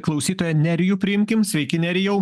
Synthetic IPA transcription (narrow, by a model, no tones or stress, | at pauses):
klˠɒʊsʲiːt̪oːjɛnʲɛɾʲɪjuːpʲɾʲɪɪmʲkʲɪmsʲʋʲɛɪkʲɪnʲɛɾʲɪjɛʊ